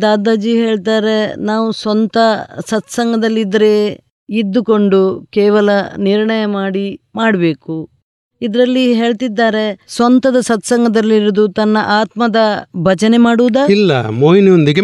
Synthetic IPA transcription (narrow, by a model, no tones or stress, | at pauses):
d̪aːd̪aːd͡ʒiɦe̞ːɭt̪aːɾe̞naːʋusɐnt̪ɐsɐt̪sɐŋɡɐd̪ɐlːid̪ɐɾe | id̪ːuko̞ɳɖukɛːʋɐlɐniɾɳɐjɐmaːɽimaːɽɐbe̞ːku | id̪ɾɐlːiɦe̞ːɭt̪id̪ːaːɾe̞sʋɐnt̪ɐd̪ɐsɐt̪sɐŋɡɐd̪ɐlːiɾud̪ut̪ɐnːɐʔaːt̪mɐd̪ɐbʱɐd͡ʒɐnemaːɽuːd̪aːilːɐ̰moːjiniond̪iɡe